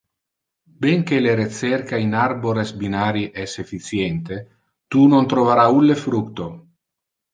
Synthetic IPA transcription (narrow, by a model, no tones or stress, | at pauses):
beŋkeleɾet̪serkainarboɾesbinaːɾiʔɛsefit̪sjent̪e | t̪unont̪ɾovaɾaulːefɾukt̪o